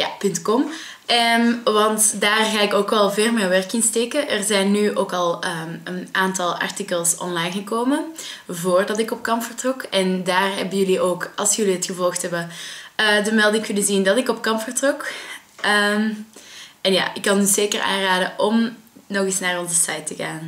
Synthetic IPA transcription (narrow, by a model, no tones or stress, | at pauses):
ja̰pʏntkɔm | ʔəmʋɑntdaːrɣaːɪkoːkɛlˠveːrmɛjʋɛrkɪnsteːkəʔərzɛjnːyʔoːkɑlˠəːənʔaːntɑlˠɑ̰rtikəlˠsɔ̰nlɑjnɣəkoːməvoːrdɑtɪkɔp̚kɑmpfərtrɔkɛndaːrɦɛ̰bəjɵliʔoːkɑlˠsjɵliɦətxəvɔlˠxtɦɛbəəːdəmɛlˠdɪŋkɪnəzindɑtɪkɔp̚kɑmpfərtrɔkəm | ɛnja̰ːʔɪkːɑnyzeːkəra̰ːnraːdəʔɔmnɔɣɪsnaːrɔnzəsajtəɣaːn